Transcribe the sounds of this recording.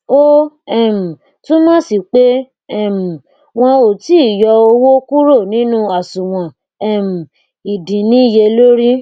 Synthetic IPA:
o˦ | ɛ˦˨m̩˨ | tũ˦mãː˦si˧˨k͡pe˦ | ɛ˦˨m̩˨ | w̃ɔ̃˧o˨ti˦i˦˨jɔ˧o˧wo˦ku˦ɾo˦˨nĩ˨˦nũ˦a˨sũ˨w̃ɔ̃˨ | ɛ˦˨m̩˨ | i˨dĩ˨nĩ˨˦˨je˧lo˦ɾi˦

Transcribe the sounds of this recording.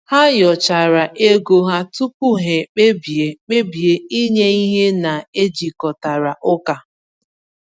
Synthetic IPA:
ha˦jɔ˨t͡ʃa˨ɾa˨ʔe˦ɡo˦ɦa˦tu˦pu˦ɦe˨k͡pe˦bi˨e˨k͡pe˦bi˨e˦i˦ɲe˦i˦ɦe˦na˨e˦d͡ʒi˨kɔ˨ta˨ɾa˨ʔʊ˦ka˨

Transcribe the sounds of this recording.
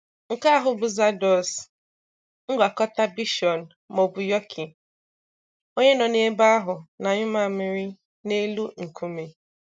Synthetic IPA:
ŋ̩˨ka˦a˦ɦʊ˨bʊ˨za˦dɔ˨s | ŋ̩˦ɡʷa˨kɔ˦ta˦bi˦ʃɔ˨n̩˨ | mo˨bu˨jɔ˦kʰi˨ | o˦ɲe˦nɔ˨ne˦ba˦ɦʊ˨na˨ɲʊ˦ma˦˨mɪ˦ɾɪ˦ | ne˦lu˦ŋ̩˨kʰu˦me˨

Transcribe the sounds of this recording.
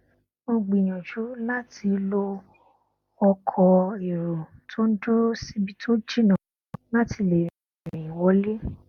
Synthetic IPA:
bo˧ɡ͡bi˨j̃ã˨ʃu˨˦la˦ti˧lo˦ | ɔ˧kʰɔ˧e˨ɾo˨tʰo˦n̩˦do˦si˦bi˦tʰo˦d͡ʒi˦nã˨la˦ti˧le˨ĩ˨ĩ˨wɔ˨˦le˦

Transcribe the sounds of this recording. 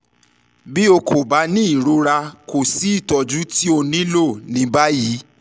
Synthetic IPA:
bi˦o˧ko˨ba˨˦nĩ˦i˦˨ɾo˨˦ɾa˧ko˨si˨˦i˦˨tɔ˨d͡ʒu˨˦ti˦o˧nĩ˦lo˦˨nĩ˧˦ba˦ji˨˦

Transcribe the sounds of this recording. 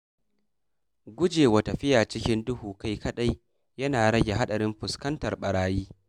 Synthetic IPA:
ɡʷʊ˦d͡ʒeː˨wɐ˨tɐ˨ɸɪ˦jaː˨t͡ʃɪ˦kʲɪ˦ndʊ˦huː˨ka˦jkɐ˦ɗa˦j | jɐ˦naː˨ɽɐ˦ɡʲe˨ɦa˦ɗɐ˨ɾɪ˦mɸʊ˨skɐ˦ntɐ˨rɓɐ˨ɽaː˨˦jiː˦

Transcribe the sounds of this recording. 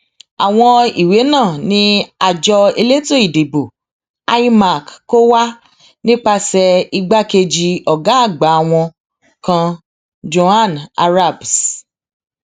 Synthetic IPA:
a˨w̃ɔ̃˧i˨we˨˦nãː˦˨nĩ˧˦a˧d͡ʒɔ˧e˧le˦to˦˨i˨de˨bo˨ | a˧i˦ma˨kko˦wa˦ | nĩ˦k͡pa˧sɛ˧i˧ɡ͡ba˦ke˧d͡ʒi˧ɔ˨ɡa˨˦a˦˨ɡ͡ba˨˦˧w̃ɔ̃˧ | kã˧ | d͡ʒo˧a˦˨na˧ɾa˦˨bs

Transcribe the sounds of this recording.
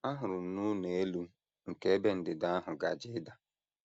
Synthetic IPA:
a˦ɦʊ˨ɾʊ˨n̩˨nu˦ne˨e˦lu˦ | ŋ̩˨ke˦e˦be˦n̩˨dɪ˨da˦a˦ɦʊ˨ɡa̰˨d͡ʒɪ˦da˨

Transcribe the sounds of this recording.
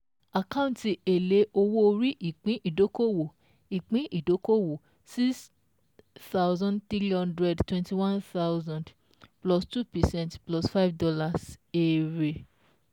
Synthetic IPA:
a˨kã˦ũnti˧e˨le˨˦ʔo˧wo˦o˧ɾi˦ʔi˨k͡pĩ˨˦ʔi˦˨do˨˦ko˦wo˨ | i˨k͡pĩ˨˦ʔi˦˨do˨˦ko˦wo˨ | si˦s | θa˦wzɔ̃˦ndt̪ɾi˦lɔ̃˦ndɾɛ˨dtwɛ̃˧˨nti˧wã˦nθa˦wzã˨nd | plɔ˨stu˦pɛ˨sɛ̃˦ntplɔ˨sfa˦jvdɔ˧la˧se˨ɾe˨

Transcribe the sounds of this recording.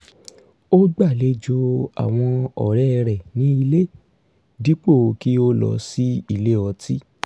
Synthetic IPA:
o˦ɡ͡ba˦˨le˧d͡ʒo˧a̰˨w̃ɔ̃˧ɔ̰˨ɾɛ˦˧ɾɛ˨nĩ˦i˧le˦ | di˦k͡po˦˨˧ki˦o˦lɔ̰˧si˦i˦˨le˦ɔ˧tʰi˦

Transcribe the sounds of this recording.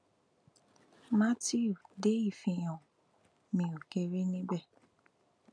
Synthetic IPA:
ma˦ti˦u˨de˨˦i˦˨fĩ˧j̃ɔ̃˨ | mĩ˧o˨ke˧ɾe˦nĩ˦bɛ˦˨

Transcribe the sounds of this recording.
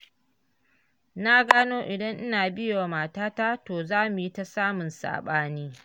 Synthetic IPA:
na˦ɡaː˦noː˦ʔɪ˨dɐ˦ŋʔɪ˦naː˨bɪ˦jo˨a˨maː˨taː˦ta˦toː˨zaː˦mʊ˨ji˦ta˨saː˦mʊ˨nsa̰ː˨ɓaː˦niː˦

